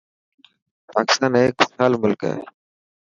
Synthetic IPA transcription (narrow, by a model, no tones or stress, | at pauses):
paːkɪ̥st̪aːneːkaːlmʊlka̰ḛ